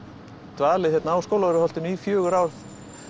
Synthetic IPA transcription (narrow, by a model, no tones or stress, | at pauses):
t̪vaːlɪθçɛt̪naaːwskoːwlaðʏɾɪhɔl̥t̪ʏniːfjœːɣʏɾawɾθ